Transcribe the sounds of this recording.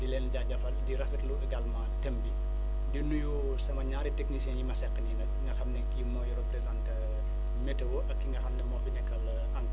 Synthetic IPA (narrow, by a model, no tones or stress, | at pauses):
dilɛːnɟaɟɐfɐldiɾɐfɛtluɡɐlmɐtɐmbi | dinuju | sɐmɐɲaːɾiteknisɛnjimɐsɛqːəninɐk̚ŋɡɐxɐmnɛkimɔjuɾəpɾɛzantɐ | mɛtɐwɔʔɐkːiŋɡɐxɐmnɛmɔfinɛkɐl | ɐŋk